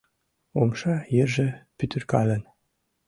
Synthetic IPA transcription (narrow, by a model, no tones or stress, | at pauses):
omʃɑjerʒĕpyt̪ʰɘ̆rkɑlə̆n